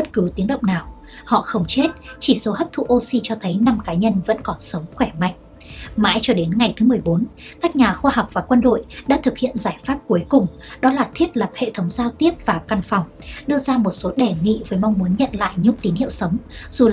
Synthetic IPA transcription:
ɓə˦˥t̚kɨ˨˦t̪i˨˦əŋɗə̰˧˨wŋ͡mnaː˨˩w | hɔ̰˧˨xə˧wŋ͡mt͡ɕe˦˥t̚t͡ɕi˧˩so˨˦həː˦˥p̚t̪ʰṵ˧˨ʔo˧si˧t͡ɕɔ˧t̪ʰə˨˦jna˧mkaː˨˦ɲə˧nvə̰˧˥nkɔ˨˦nsə˨˦wŋ͡mxwɛ˧˩ma̰˧˨jŋ̟ | ma̰ː˧˦jt͡ɕɔ˧ɗe˨˦nŋa˨˩jt̪ʰɨ˨˦m˨˩əjɓo˨˦nkaː˦˥k̚ɲaː˨˩xwaː˧ha˨˩wk͡p̚v̥aː˨˩kwə˧nɗo̰˧˨jɗa̰ː˧˥t̪ʰɨ˨˩k̚hḭ˧˨ənzaː˧˩jfaː˦˥p̚ku˨˦əjkʊ˨˩ŋ͡m | ɗɔ˨˦laː˨˩t̪ʰi˦˥əp̚lə˨˩p̚hḛ˧˨t̪ʰə˨˦wŋ͡mzaː˧wt̪i˦˥əp̚v̥aː˨˩ka˨˩nfa˨˩wŋ͡m | ɗɨ˧əzaː˧mo˨˩t̚so˨˦ɗɛ˨˩ŋḭ˧˨vəː˨˦jma˧wŋ͡mmu˨˦ənɲə̰˧˨nla̰ː˧˨jɲʊ̰˧˥ŋ͡mt̪i˨˦nhḭ˧˨ə˨wsə˨˦wŋ͡mz̥u˨˩

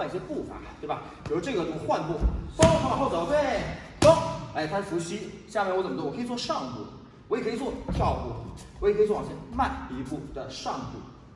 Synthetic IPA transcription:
i˥˩ɕjɛ˥pu˥˩fa̰˨˩t̪we˥˩bɐ˩i˨˩ʂu˥ʈ͡ʂɤ˥˩ɡə˩tu˧˥xwa˥˧npu˥˩fɑ˥ŋʰɑ˧˥ŋ˧xo˥˩ʊɑ˨˩ʊt̪we˥˩ | ko˥ŋa˧˥˩ɪ˩t̪ʰa˥fu˧˥ɕi˥ɕja˥˧me˥˩wɔ˧˥lwɔ˨˩kʰɤ˥i˧˩t͡swɔ˥˧ʂɑ˥˧ŋpṵ˥˩ | wɔ˧˥jɛ˨˩kʰi˨˩t͡swɔ˥˧˩t̪ʰjɑ˥˧ʊkṵ˥˩wɔ˧˥jʰt͡swɔ˥˩˨jɛ˥˧nma˥˩ni˧˥pu˥˩d̪̥ə˩ʂɑ˥˧ŋpṵ˥˩

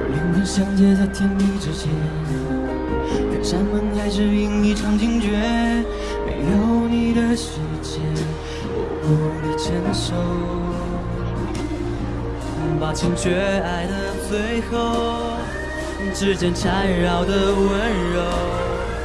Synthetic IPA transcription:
li˧˥ŋt̪i˧˩ɕjɑ˥ŋt͡ɕjɛ˥˧t͡sa˥˧ɪt̪ʰjɛ˥nli˥˧ʈ͡ʂɻ̩˥t͡ɕjɛ˧˥n | nḭ˨˩ʂa˧˥nmə˧˥nxa˧˥ɪʂɻ̩˥˧i˧˥ŋni˧˩ʈ͡ʂʰɑ˧˥ŋt͡ɕi˥ŋt͡ɕɥɛ˧˥ | mḛ˧˥ɪjo˧˨ʊni˨˩d̪ə˧ɕ̩˧˥t͡ɕjɛ˧˥ | wɔ̰˨˩kɔ˧˥˩d̪ə˧˩t͡ɕʰjɛ˧˥nʂo˧ʊ˨˧˩ | npa˨˩t͡ɕʰi˥nt͡ɕɥɛ˧˥a˧ɪd̪ə˧t͡swe˧˥ɪxɤ˧˥˧ | ʈ͡ʂɻ̩˥˧˩t͡ɕɛ˧˩nʈ͡ʂʰa˧˥nɻɑ˨˩ʊd̪ə˧wə˧˥nɻo˧˥

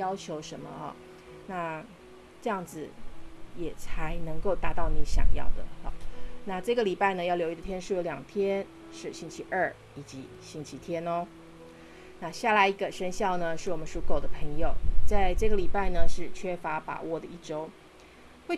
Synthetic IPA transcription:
jɑ˥ʊt͡ɕʰjo˧˥ʊʂə˧˥nmə˧ɐ̰˨˩ | na˥˧ | ʈ͡ʂɤ˥˧jɑ˥˩ŋd͡zɹ̩˨˩jɛ˨˩t͡sʰa˧˥ɪnɤ˧˥ŋko˥˧ʊt̪a˧˥˦t̪ɑ˥˩ʊni˧˥ɕjɑ̰˨˩ŋjɑ̰˥˩ʊd̪ə̰˩na˥˧ʈ͡ʂɤ˥˩ɡə˩li˨˩pa˥˩ɪnə˩jɑ˥˩ʊljo˧˥ʊi˧d̪ə˨t̪ʰjɛ˥nʂɻ̩u˥˩jo˧˥ljɑ˨˩ŋt̪ʰjɛ˥n | ʂɻ̩˥˩ɕi˥ŋt͡ɕʰi˧˥ʔə˞˥˩ | i˨˩t͡ɕi˧˥ | ɕi˧˥ŋt͡ɕʰi˧˥t̪ʰjɛ˥nɔ˧ | na˥˧ɕja˥˩la˧˥ɪi˧˥ɡə˧ʂə˥nɕjɑ˥˩ʊnə˩ʂɻ̩˥˩wɔ˨˩mə˦nʂu˧˩ko˥˩ʊd̪ə˦pʰə˧˥ŋjo˨˩ʊt͡sa˥˧ɪʈ͡ʂɤ˥˩ɡə˩li˨˩pa˥˩ɪnə˩ʂɻ̩˥˩t͡ɕʰɥɛ˥fa˧˥pa̰˨˩wʔɔ˥˩d̪ə˩i˥˩ʈ͡ʂo˥ʊ | we˥˩ɪ

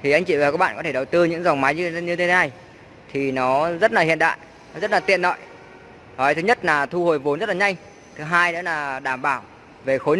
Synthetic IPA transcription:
t̪ʰi˨˩ʔa˧jŋ̟t͡ɕḭ˧˨vaː˨˩kaː˦˥ɓa̰ː˧˨kɔ˨˦t̪e˧˩ɗə˨˩wt̪ɨ˧ɲɨ̰˧˥ŋza˨˩wŋ͡mma˨˦jɲ˧ɲɨ˧t̪e˨˦t̪ʰe˨˦na˧˩j | t̪ʰi˨˩nɔ˨˦zə˦˥t̚laː˨˩hḭ˧˨nɗa̰ː˧˨j | nɔ˨˦zə˦˥t̚laː˨˩t̪ḭ˧˨ənːɔ̰˧˨j | nɔ˨˦t̪ʰɨ˨˦ɲə˦˥t̚laː˨˩t̪ʰu˧ho˨˩jvo˨˦nzə˦˥t̚la˨ɲa˧jŋ | t̪ʰɨ˨˦ɦaː˧jɗə̰˧˦˥laː˨˩ɗaː˧˩mɓaː˧˩w | ve˨˩xo˨˦

